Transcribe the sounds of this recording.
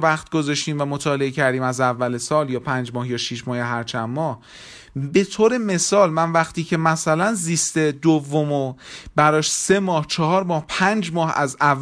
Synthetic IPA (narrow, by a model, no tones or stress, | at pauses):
væχt̪̚ɡo̞zɒʃt̪iːmvæmot̪ʰɒːle̞ecʰæɾd̪iːmæzævːælesɒːljɒːpʰænd͡ʒmɒːhjɒːʃiʃmɒːheɦæɾt͡ʃʰæmːɒːh | be̞t̪ʰoːɾe̞me̞sɒːlmænvæxt̪ʰiːcʰe̞mæsælænziːst̪e̞d̪ovːomobæɾɒːʃse̞mɒːht͡ʃʰɒhɒːɾmɒːhpʰænd͡ʒmɒːhæzævː